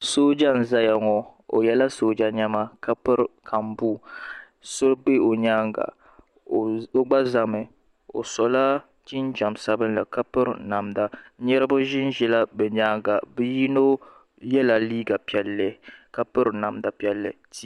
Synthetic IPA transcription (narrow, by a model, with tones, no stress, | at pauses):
soː˦d͡ʒa˦˨n̩˨za˦ja˨ŋɔ˨o̰˨jɛ˦la˦soː˦d͡ʒa˦ɲa˦ma˦ka˦pɨ˦ɾkʰa˨m˨bu˦ | so˦be˦o˨ɲaː˦ŋɡa̰˨ | o˦ɡ͡ba˦za˨mɨ˨ | o̰˨sɔ˨la˦ | ti˦n˦d͡ʒa˨m˨sa˦bɨ˦nla˨ka˦pɨ˦ɾna˨mda˨˦ɲɛ˦ɾɨ˦bʊ˦ʒɪ˦n˦ʒɛ˦la˦bɛ˨ɲaː˦ŋɡa˨bɨ˦ji˦no˦ | jɛ˦la˨liː˦ɡa˨pɛ˨lːɛ˦ka˦pɨ˦ɾna˨m˨da˨pi˦ɛ˦lːɨ̰˨ti˦˨